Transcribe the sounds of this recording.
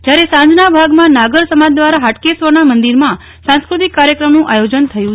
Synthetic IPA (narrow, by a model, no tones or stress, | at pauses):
d͡ʒjaɾesãɲd͡ʒnabʱaɡmãnaɡəɾsəmad͡ʒd̪ʋaɾaɦaʈkesʋəɾnamənd̪iɾmã | sãskɾut̪ikːaɾjəkɾəmnũʔajod͡ʒənt̪ʰəjũ